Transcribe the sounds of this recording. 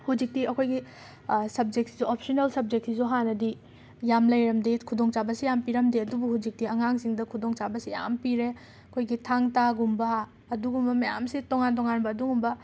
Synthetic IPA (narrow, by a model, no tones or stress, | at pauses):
hud͡ʒik̚tiɐkʰojɡi | sɐb̚d͡ʒek̚tsizuopʰsonelsɐb̚d͡ʒek̚tsizuɦanɐdi | jamlɐjɾɐmdikʰudoŋt͡ʃabɐsijampiɾɐmdiɐdubuhud͡ʒik̚tiɐŋaŋsiŋdɐkʰudoŋt͡ʃabɐsija̰mpiɾe | ɐkʰojɡitʰaŋtaɡumbɐː | duɡumbɐmɐja̰msitoŋantoŋanbɐːduɡumbɐ